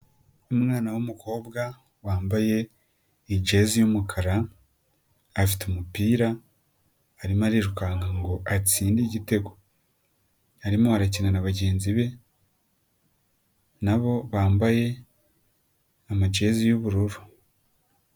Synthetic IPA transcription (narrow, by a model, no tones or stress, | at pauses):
umŋaːnawumukʰo̞ːbɡa | waːmbaje̞ | id͡ʒe̞zijumukʰaɾa | fi̥teumupiːɾa | aɾimaɾiɾukaŋɡaŋɡo̞ʔat͡siːndiɟite̞ɡo̞ | aɾimohaɾacinanaβaɟe̞ːnziβe̞ | naβo̞βaːmbaje̞ | amad͡ʒe̞zijuβuɾuɾu̥